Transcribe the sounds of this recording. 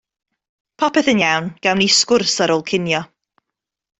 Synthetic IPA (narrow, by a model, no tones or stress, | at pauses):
pʰɔpɛθənjawnɡ̥awniskʊrsaɾɔːlˠkʰɪnjɔ